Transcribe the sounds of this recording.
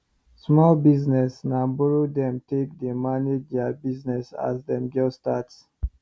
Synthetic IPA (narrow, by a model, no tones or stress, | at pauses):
smɔlbiznɛsnãmbɔɹodɛ̃mtekdemaned͡ʒdabiznɛsa̰zdɛ̃mɡɛstats